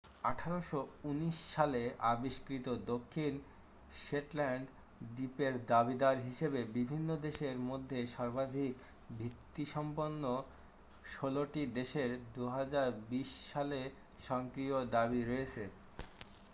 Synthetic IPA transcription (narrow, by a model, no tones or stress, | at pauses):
aʈʰaɾoʃouniʃːaleabiʃkɾit̪od̪okʰːin | ʃeʈlɛɳɖ | dipeɾd̪abid̪aɾɦiʃebebibʱinːod̪eʃeɾmod̪ʱːeʃɔɾbad̪ʱik | bʱit̪ːiʃɔmponːo | ʃoloʈid̪eʃeɾd̪uɦad͡ʑaɾbiʃːale | ʃɔŋkɾiod̪aβiɾɔet͡ɕʰe